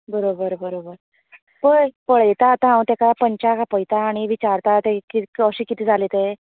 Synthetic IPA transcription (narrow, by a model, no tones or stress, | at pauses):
bəɾobəɾbəɾobəɾ | pəjpəɭəjt̪aːt̪ãɦãwt̪ekapəɲt͡ɕakapəjt̪aːɽ̃iʋit͡ɕaɾt̪at̪ekiəɕiːkit̪ʰiːd͡zʱalit̪e